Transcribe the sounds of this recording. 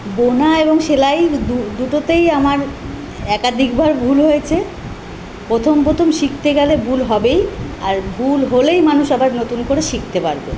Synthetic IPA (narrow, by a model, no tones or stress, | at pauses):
bonaeboŋʃelajd̪ud̪uʈot̪ejamaɾ | ɛkad̪ʱikbaɾbʱulɦojet͡ɕʰe | pɾot̪ʰompɾot̪ʰomʃik̚t̪eɡalebʱulɦɔbejaɾbʱulɦolejmanuʃabaɾnot̪unkoɾeʃik̚ʰt̪epaɾbḛ